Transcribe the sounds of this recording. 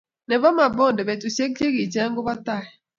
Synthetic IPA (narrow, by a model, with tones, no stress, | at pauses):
nɛ˨ba˦ma˨bɔ˦˨dɛ˨be˨tu˨se˦e˦ɡi˨d͡ʒa˦ŋ̩˦ɡʊ˦ba˦ta˦˨ɛ˨